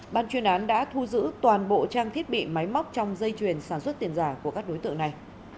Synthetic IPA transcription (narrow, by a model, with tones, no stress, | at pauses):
ɓaː˧˨˩nt͡ɕwi˧˩ənʔaː˨˦nɗa̰ː˧˥t̪ʰu˧zɨ̰˧˥t̪waː˨˩nɓo̰˧˨t͡ɕaː˧ŋt̪ʰi˦˥ət̚ɓḭ˧˨ma˨˦jm˦˥wk͡p̚t͡ɕɔ˧wŋ͡mzə˧jt͡ɕwi˨˩ənsaː˧˩nswə˦˥t̚t̪i˧ənzaː˧˩ku˧˩əkaː˦˥k̚ɗo˨˦jt̪ɨ̰˧˨ŋna˨˩j